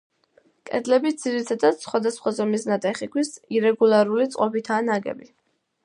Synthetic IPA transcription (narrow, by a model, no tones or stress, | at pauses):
kʼɛ̰d̪lɛbid̪z̥iɾit̪ʰad̪at̪sχwad̪asχwazɔmisnat̪ʼɛχikʰwisiɾɛɡulˠaɾulit̪sʼqʼɔpit̪ʰaːnaɡɛ̰bi